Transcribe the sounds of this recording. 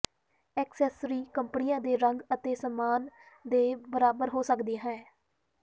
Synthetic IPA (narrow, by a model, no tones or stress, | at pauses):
ɛːksɛːsɾiːkəmpnɪjãːd̪eːɾəŋɡət̪eːsəmaːn | d̪eːbəɾaːbəɾɦoːsəkd̪iaːɦɛ̃ː